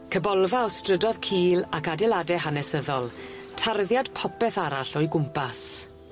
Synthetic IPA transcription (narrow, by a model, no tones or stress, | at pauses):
kʰəbɔlˠvaɔstrədɔð̥kʰiːlakadɛlˠadɛɦanɛsəðɔlˠ | tʰarðjad̥pʰɔpɛθaɾaɬɔjɡʊmpas